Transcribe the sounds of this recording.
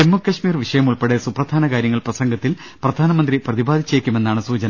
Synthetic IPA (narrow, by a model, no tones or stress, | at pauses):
emːukːɐʂmiːrʋiʂɐjɐmuɭpe̞ɽesuprɐd̪ʱaːnɐkaːɾjɐŋːɐɭprɐsɐŋɡɐt̪ːil | prɐd̪ʱaːnɐmɐnd̪riprɐðibaːd̪ʱit͡ɕːeːkʲːume̞nːaːɳɨsuːt͡ɕɐnɐ